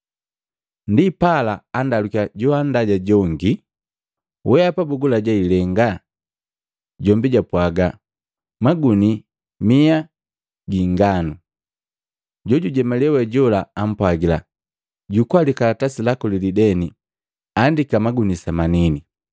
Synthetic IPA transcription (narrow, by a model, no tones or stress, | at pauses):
ndipalaːndalukiaɟɔandaɟaɟɔŋɡi | wʔɛapabuɡulaɟailɛŋɡa | ɟɔmbiɟapwaɡa | maɡuni | mia | ɡiŋɡanu | ɟɔɟuɟɛmalɛwɛɟɔlaːm̩pwaɡila̰ | ɟukwalikatasilakɔlilidɛni | andikamaɡunisamanini